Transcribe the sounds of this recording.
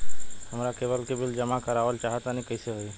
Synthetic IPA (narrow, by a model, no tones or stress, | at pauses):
həmɾakeːʋəlkebɪld͡ʒəmakəɾaːʋəlt͡ʃaːɦət̪anikəɪseɦoi